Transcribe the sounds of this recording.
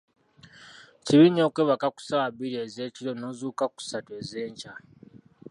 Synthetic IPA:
ciβinːoːkweːβakaku̥sawaβiɾeːze̞ːciɾo̞no̞ːzuːkaku̥sate̞ːze̞ːɲca

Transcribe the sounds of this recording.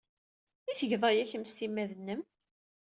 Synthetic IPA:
iθəʝðˤɑjæçəmst̪imːæðənːəm

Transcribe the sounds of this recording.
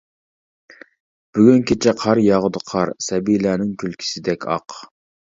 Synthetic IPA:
b̥yɡʲynkʲʰet͡ʃʰɛqʰɑɾjɑʁʊd̪əqʰɑɾsɛbilænɪŋkʲʰylkʲʰi̥sɪd̪ɛkʲʰɑ̰q

